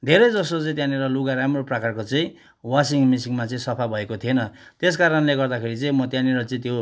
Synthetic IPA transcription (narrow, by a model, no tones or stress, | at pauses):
d̪ʱeɾʌjd͡zʌsot͡sʌ̃ĩt̪jãniɾʌluɡaɾamroprʌkarkot͡sʌĩ | wasiŋmisiŋmat͡sʌĩsʌpʰabʱʌekot̪ʰienʌt̪eskaɾʌnleɡʌrd̪akʰeɾit͡sʌĩmʌt̪jãniɾʌt͡sʌĩt̪jo